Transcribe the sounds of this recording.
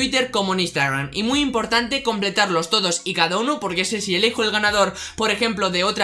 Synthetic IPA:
it̪e̞ɾko̞monĩst̪aɣɾa̰mimujimpo̞ɾt̪ant̪e̞ko̞mple̞t̪aɾlo̞st̪o̞ð̞o̞sikaðaunopo̞ɾke̞sesielixoelɣanað̞o̞ɾpo̞ɾe̞xe̞mploðe̞o̞t̪ɾ

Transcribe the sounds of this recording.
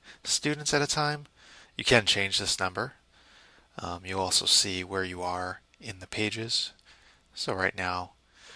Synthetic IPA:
stʉdⁿn̩tsɨɾɨtʰãɪ̃m | jɨkʰɨ̃nt͡ʃʰẽɪ̃nd͡ʒðɪsnʌ̃mbə˞ | mjɨɔlˠsoʊsiwə˞jɨə˞ | ɪ̃nðɨpʰeɪd͡ʒɪz̥ | soʊɹaɪtⁿnaʊ

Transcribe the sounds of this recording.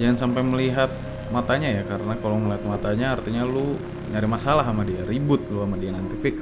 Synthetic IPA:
d͡ʒaŋansampajməliɦat̪̚ | mat̪aɲajakaɾənakaloməliɦat̪̚mat̪aɲaːrt̪iɲalu | ɲaɾɪmasalaɦamadiaɾibʊt̪̚luamadianant̪ifɪk

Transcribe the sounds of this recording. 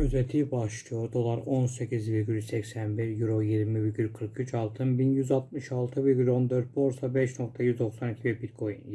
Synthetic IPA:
yzɛt̪ʰibɑʃt̪ijoɾd̪o̞lˠɑɾo̞nsecʰizviɾɡʲylʲsɛcsænbiɾjuɾojiɾmiviɾɟylkʰɯɾkʰyt͡ʃʰɑlˠt̪ʰɯnbinjyzɑt̪mɯʃɑlˠt̪ʰɯviɾɡʲylʲo̞nd̪øɾt̪̚bo̞ɾsɑbeʃno̞kt̪ʰajyzd̪o̞xsɑnicʰivɛbit̪kʰojḭn

